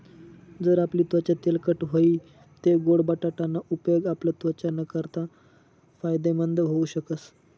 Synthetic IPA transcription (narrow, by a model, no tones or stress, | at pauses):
d͡zəɾapliːt̪ʋət͡ɕat̪elkəʈɦoi | t̪eɡoɽbaʈaʈanːaʔupjoɡaplət̪ʋət͡ɕanəkəɾt̪a | fajd̪emənd̪ʱɦouɕəkəs